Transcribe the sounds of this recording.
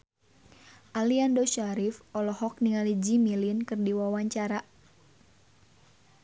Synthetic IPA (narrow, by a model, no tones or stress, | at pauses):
ʔaliandoʃaɾifɔlɔhɔk̚niŋalid͡ʒimilinkɨrdiwawaɲt͡ʃaɾa